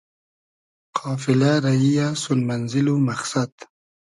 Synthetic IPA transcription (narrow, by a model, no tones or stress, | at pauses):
qʰɑːfɪlaɾaijasʊlmanzɪlumaxsad̪